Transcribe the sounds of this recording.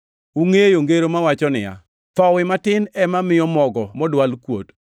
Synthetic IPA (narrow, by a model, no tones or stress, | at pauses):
uŋejoŋɡeɾomawat͡ʃɔnɪja̰ | t̪ɔwɪmatɪnɛmamɪjɔmɔɡɔmɔdwalkwot